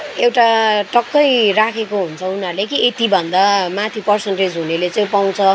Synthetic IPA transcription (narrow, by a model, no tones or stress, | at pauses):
ewʈaʈʌkːʌjrakʰekoɦunt͡sʰʌunarlekiet̪ibʱʌnd̪amat̪ʰipʌrsʌnʈed͡zɦunelet͡sãj̃paw̃t͡sʰʌ